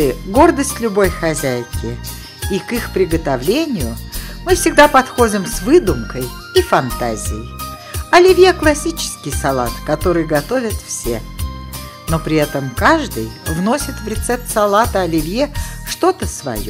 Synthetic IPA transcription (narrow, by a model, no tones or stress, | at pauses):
ɪɡo̞rd̪əsʲtʲlʲʊbo̞jxɐzʲæjɪkʲɪ | ikixpɾʲɪɡət̪ɐvlʲenʲɪjʊmɨfsʲɪɡd̪apɐt̪xo̞dʲɪmsvɨd̪ʊmkəj | ifɐnt̪azʲɪjɪj | ɐlʲɪvʲjeklˠɐsʲit͡ɕɪ̥skʲɪjsɐlˠa̰t̪kɐt̪o̞ɾɨjɡɐt̪o̞vʲət̪fsʲe̞̰ | no̞pɾʲɪɛt̪əmkaʐd̪ɨ̰jvno̞sʲɪt̪vɾʲɪt̪sɛp̚t̪sɐlˠat̪əɐlʲɪvʲjeʂt̪o̞t̪əsvɐ̰jo